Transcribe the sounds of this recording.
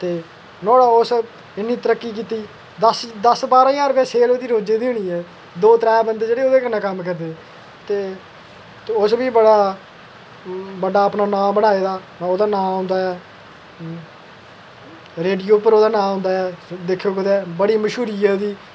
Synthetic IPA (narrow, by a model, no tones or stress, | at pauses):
t̪eː | nɔːɽaːʊs | ɪnːiːt̪əɾəkːiːk̬iːt̪iː | d̪əsd̪əsbaːɾãːjãːɾʊpjɛ̃ːseːlːd̪iːɾoːd͡ʒeːd̪iːʊɽ̃iːɛː | d̪oːt̪əɾɛːbənd̪eːd͡ʒeːɽeːoːd̪eːkənːãːkəmkəɾd̪eː | t̪eː | ʊsbiːbəɽaː | bəɖaːəpnaːnãːbəɽ̃aːeːd̪aː | oːd̪aːnãːɦʊ̃nd̪aːɛː | ɾeːɖijoːpəɾoːd̪aːnãːɦʊ̃nd̪aːɛːd̪ekʰːoːkəd̪ɛːbəɽiːməʃuːɾiːɛːd̪iː